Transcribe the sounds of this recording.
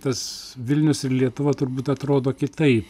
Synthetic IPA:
t̪ɐsʋʲɪlʲnʲʊsɪɾlʲiɛt̪ʊʋɐt̪ʊrbuːt̪ɐt̪ɾoːd̪oːkʲɪt̪ɐɪp

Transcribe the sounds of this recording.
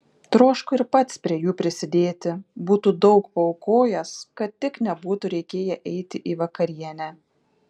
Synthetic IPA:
t̪ɾoːʃkʊɪɾpɐt̪spʲɾʲiɛjuːpʲɾʲɪsʲɪd̪ʲeːt̪ʲɪbuːt̪uːd̪ɒʊkpɐɔʊkoːjɛskɐt̪t̪ːʲɪknʲɛbuːt̪uɾʲɛɪkʲeːjɛʔɛɪt̪ʲɪʔiːʋɐkɐɾʲiɛnʲæ

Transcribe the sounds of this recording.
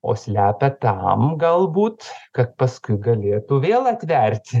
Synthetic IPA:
o̰ːsʲlʲæːpʲɛt̪ɐmɡɐlˠbuːt̪kɐt̪̚pɐskʊɪɡɐlʲeːt̪uʋʲeːlˠɐt̪ʲʋʲɛɾʲt̪ʲ

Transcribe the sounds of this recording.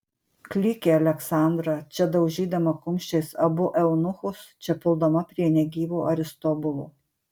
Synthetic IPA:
klʲɪkʲeːɐlʲɛksɑˑnd̪ɾɐt͡ʃʲɛd̪ɐʊʒʲiːd̪ɐmɐkʊmʲʃʲt͡ʃʲɛɪsɐbʊʔɛʊnʊxʊst͡ʃʲɛpʲɪlˠd̪omɐpʲɾʲiɛnʲɛɡʲiːʋʲuːʔɐɾʲɪst̪ɔːbʊlˠuː

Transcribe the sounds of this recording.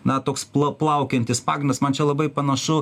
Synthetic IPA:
nɐt̪oːksplˠɐplˠɐʊkʲɛnʲt̪ʲɪspɑːɡɾʲɪndɐsmɐnt͡ʃʲɛlˠɐbɐɪpɐnɐʃʊ

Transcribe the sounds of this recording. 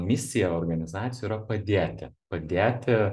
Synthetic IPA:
mʲɪsʲɪjɛoːrɡɐnʲɪzɑːt̪sʲjuːɾɐpɐd̪ʲeːt̪ʲɪpɐd̪ʲeːt̪ʲɪ

